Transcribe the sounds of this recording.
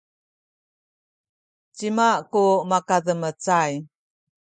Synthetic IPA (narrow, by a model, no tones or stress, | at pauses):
t͡ɕimaʔkumakaðəmət͡saj